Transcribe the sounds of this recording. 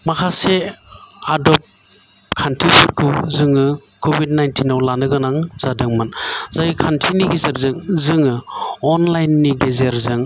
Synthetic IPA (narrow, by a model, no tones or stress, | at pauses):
makʰase | adɔp̚ | kʰantʰipʰɯɾkʰɯwzɯŋɯkʰobʱid̚najntʰinawlanɯɡɯnaŋz̥adɯŋmanzajikʰantʰiniɡizeɾzɯŋzɯŋɯɔnlajnːiɡezeɾzɯŋ